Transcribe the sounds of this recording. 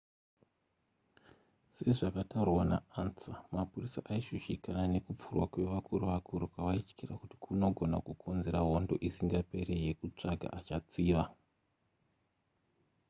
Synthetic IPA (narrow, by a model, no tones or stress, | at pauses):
se̞ʐakataurwana̰ansamapurisa̰ʔaiʃuʃikanane̞kup͡furwakwe̞ʋakuruʋakʰuɾukaʋait͡ʃkirakuti̥kʰuno̞ɡʱo̞na̰kukʰo̞nze̞ɾaɦo̞ndo̞̰ʔisiŋɡape̞ɾe̞je̞kut͡ʂaɡʱa̰ʔat͡ʃat͡siːʋa